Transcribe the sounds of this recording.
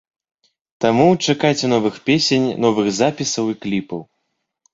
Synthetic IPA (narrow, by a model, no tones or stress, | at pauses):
t̪amut͡ʂakajt͡sʲɛnɔvɨxpʲesʲenʲnɔvɨɣzapʲisɐwiklʲipɐw